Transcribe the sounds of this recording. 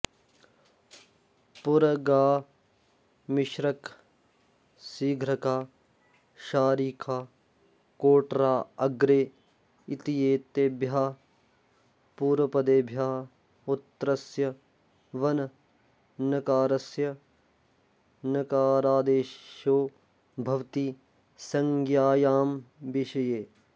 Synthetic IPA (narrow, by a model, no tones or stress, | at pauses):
pʊɾɐɡaː | mɪʃɾɐk | siːɡʱɾɐkaː | ʃaːɾiːkʰaː | koːʈɾaːɐɡɾeː | it̪ijeːt̪ebjaː | puːɾʋɐpɐd̪eːbʱjaːɦ | ut̪ːɾɐsjɐ | ʋɐnɐ | nɐkaːɾɐsjɐ | nɐkaːɾaːd̪eːʃoː | bʱɐʋt̪iː | sɐŋɡjaːjaːmʋiʃɐjeː